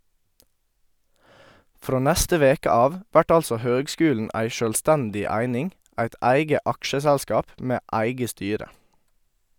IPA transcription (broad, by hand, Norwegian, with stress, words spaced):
ˈfɾoː ˈnɛstə ˈʋeːkə ˈɑːʋ ˈʋæʈ ˈɑlsɔ ˈhøːɡˌskʉːln̩ ˈæɪ ˈʃøːlˌstɛndɪ ˈæɪnɪŋ ˈæɪt ˈæɪɡə ˈɑkʃəsɛlˌskɑːp ˈmeː ˈæɪɡə ˈstyːɾə